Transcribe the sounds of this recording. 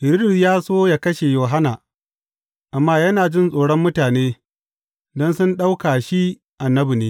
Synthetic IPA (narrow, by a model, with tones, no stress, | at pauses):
bɪ˨ɾi˦dʊ˨sjaː˦soː˦ja˦kɐ˦ʃe˨joː˨ɦa˦na˨ | ʔa˨mːaː˦jɐ˦naː˨d͡ʒɪ˦nsʼoː˨ɽɔ˦mːʊ˦taː˨neː˦ | dɔ˦nsʊ˦nɗa˦wkaː˨ʃi˦ | ʔa˨nːɐ˦bi˨neː˦